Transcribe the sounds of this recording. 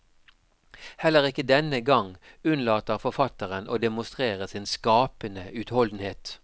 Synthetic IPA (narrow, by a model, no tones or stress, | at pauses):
hɛlːəʁɪkəd̪ɛnəɡɑŋ | ʉnlɑːt̪əʁfɔʁfɑt̪əʁəno̰ːd̪ɛmʊst̪ʁeːʁəsɪnskɑːpənəʉːt̪hɔld̪n̩heːt̪